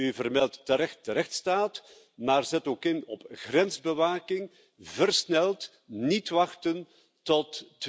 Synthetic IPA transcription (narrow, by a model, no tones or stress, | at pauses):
yvərmɛlˠtːəɾɛxt̚dəɾɛxtstaːt | maːrzɛtoːkɪnɔpɣrɛnzbəʋaːkɪŋ | vərsnɛlt | nitʋɑxtən | tɔtː